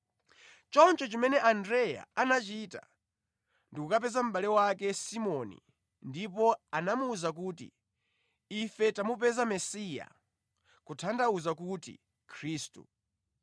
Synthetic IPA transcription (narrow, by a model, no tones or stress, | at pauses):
t͡ʃɔnt͡ʃɔt͡ʃimɛnɛʔandɾɛja̰anat͡ʃita̰ | ndikukapɛzam̩ɓalɛwakɛsimɔnḭ | ndipɔanamuːzak̬uːtḭ | ifɛtamupɛzamɛsija̰ | kutʰandauzakutḭ | kʰɾiːstṵ